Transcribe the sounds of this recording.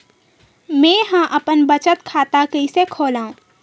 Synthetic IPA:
mɛ̃ːɦãʔɐpənbət͡ʃət̪kʰaːt̪akəisekʰoːlaːũː

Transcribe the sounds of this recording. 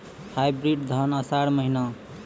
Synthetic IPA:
hʰajbɾiɖd̪ʱʌnʌsaɽmʌɦina

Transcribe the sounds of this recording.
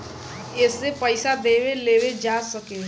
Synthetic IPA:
ɪsːepəɪsad̪eːweleːwed͡ʒaːsəke

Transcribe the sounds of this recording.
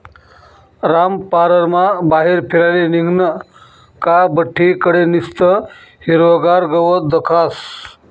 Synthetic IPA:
ɾampaːɾəɾmabaːɦiɾpʰiɾaliniŋɡnə | kabəʈʰːikəɽenist̪ə | hiɾoɡaɾɡəʋod̪ɐkʰas

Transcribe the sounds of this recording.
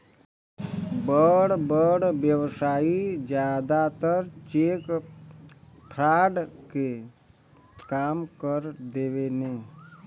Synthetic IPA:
bəɽbəɽʋjəwsaːid͡ʒjaːd̪at̪əɾt͡ʃeːk | ʈʰɾaːɖke | kaːmkəɾd̪eːʋene

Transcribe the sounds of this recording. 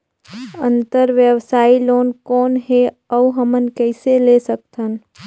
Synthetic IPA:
ə̃nt̪əɾʋjəwsaːiloːnkɔːnɦe | əɦəmənkɛɪselesək̚t̪ʰən

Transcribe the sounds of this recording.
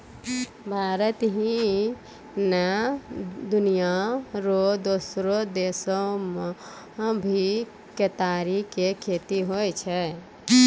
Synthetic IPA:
bʱaːɾət̪ɦĩ | na | d̪ʊnijaɾod̪osɾod̪eːsom | bʱi | ket̪aːɾikekʰːeːt̪iɦoɛt͡ʃʰɛ

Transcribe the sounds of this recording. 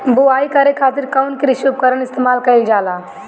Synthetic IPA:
buaikəɾekʰaːt̪iɾkaʊnkeɾiʃub̚kəɾənɪst̪emaːlkəɪld͡ʒala

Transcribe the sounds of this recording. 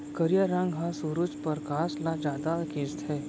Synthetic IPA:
kəɾijaɾãŋɡɦãsuɾut͡ʃpəɾkaslad͡ʑad̪aked͡zt̪ʰɛ

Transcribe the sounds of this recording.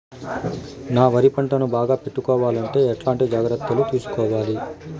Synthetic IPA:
naːʋɐɾipɐɳʈɐnubaːɡaːpeʈːukɔːʋaːlɐɳʈe̞ːɛʈlaːɳʈid͡ʒaːɡɾɐt̪ːɐlut̪iːsu̥kɔːʋaːli

